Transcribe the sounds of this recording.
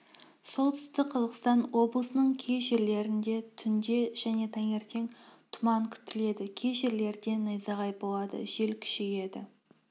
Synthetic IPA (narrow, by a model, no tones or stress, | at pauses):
so̞lˠt̪ʰʏ̥st̪ɪkqʰɑzəʁqəst̪ɑnwo̞blˠəsənəɴkʲʰeʒeɾle̞ɾɪnd̪e̞t̪ʰʏnd̪e̞ʒ̥æne̞t̪ʰæŋe̞ɾt̪ʰe̞ŋt̪ʰʊmɑŋkʲʰʏ̥t̪ɪle̞d̪ɪkʲʰeʒeɾle̞ɾd̪e̞nəjzɑʁɑjbolˠɑd̪ə̰ʒe̞lkʲʰɪ̥ʃeje̞d̪ɪ̰